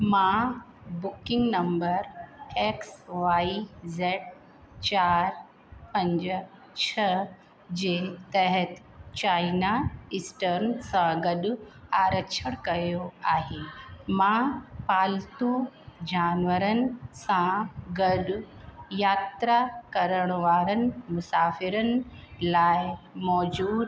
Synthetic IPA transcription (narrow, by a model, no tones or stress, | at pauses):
mã | bukiŋɡnəmbəɾeksʋaizeʈ̚ | t͡ɕaɾ | pəɲd͡ʑə | t͡ɕʰə | d͡ʑet̪əɦət̪ | t͡ɕajnaisʈəɾnsãɡəɗaːɾəkʃʰəɽ̃kɐjoaːɦeːmãpaːlt̪ud͡ʑaːnʋəɾənɪ̆sãɡɐɗʊjaːt̪ɾakɐɾəɽ̃ʋaːɾənɪ̆mʊsaːfɪɾənɪ̆laːɪmɔːd͡ʑuːd̪